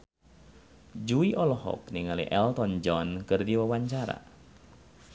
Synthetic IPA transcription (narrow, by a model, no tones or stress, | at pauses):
d͡ʒuiʔɔlɔhɔ̰k̚niŋalḭʔɛlt̪ɔnd͡ʒɔnkɨrdiwawaɲt͡ʃaɾa̰